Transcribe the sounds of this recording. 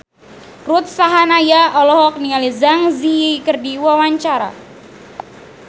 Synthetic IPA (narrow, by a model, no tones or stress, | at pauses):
rut̪̚saɦanajaɔlɔɦɔk̚nializaŋziikərdiwawaɲt͡ʃaɾa̰